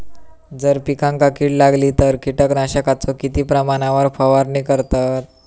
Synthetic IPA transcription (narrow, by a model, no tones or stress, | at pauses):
d͡zəɾpikãŋkakiːʈlaɡlit̪əɾkiʈəknaɕəkat͡sɔkit̪iːpɾəmaɳ̃aʋəɾfəʋaɾniːkəɾt̪at̪̚